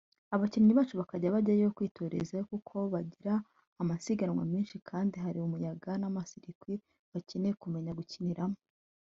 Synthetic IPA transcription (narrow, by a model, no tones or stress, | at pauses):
aβaciniɲiβaːt͡ʃuβakaɟaβaɟajejokwiːtʰo̞ːɾe̞̰zajokukʰo̞βaɟiɾaː | masiɡanwa̰miːnʃikʰaːndiɦaɾiumujaɡanamasiɾikwi | βacenekume̞ɲaɡuciniɾamo